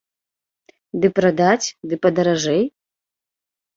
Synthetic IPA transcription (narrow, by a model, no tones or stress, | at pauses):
d̪ɨpɾad̪at͡sʲd̪ɨpɐd̪ɐɾɐʐɛj